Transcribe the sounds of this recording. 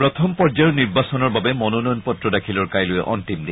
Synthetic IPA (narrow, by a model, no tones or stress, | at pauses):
pɹɔt̪ʰɔmpɔɹd͡ʒajuniɹbasɔnɔɹbabɛmɔnɔnɔjɔnpɔtɹɔdakʰilɔɹkajlʊjɛ̰ʔɔ̰ntimdɛ